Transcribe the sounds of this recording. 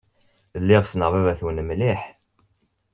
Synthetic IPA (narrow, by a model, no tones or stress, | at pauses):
lːɪʁsnəʁvævæθwnəmliħ